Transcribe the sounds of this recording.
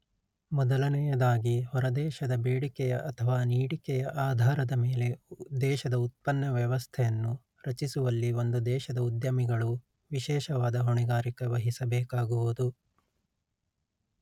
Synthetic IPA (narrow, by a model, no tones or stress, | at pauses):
mɔd̪ɐlɐnɛjɐd̪aːɡihɔɾɐd̪ɛːʃɐd̪ɐbeːɽikɛjɐʔɐt̪ʰɐʋaːniːɽikɛjɐʔaːd̪ʱaːɾɐd̪ɐmeːle̞d̪ɛːʃɐd̪ɐut̪̚pɐnːɐʋjɐʋɐst̪ʰɛjɐnːu | ɾɐt͡ʃisuʋɐlːiond̪ud̪ɛːʃɐd̪ɐud̪jɐmiɡɐɭu | ʋiʃɛːʃɐʋaːd̪ɐɦoɳiɡaːɾikɐʋɐɦisɐbɛːkaːɡuʋud̪u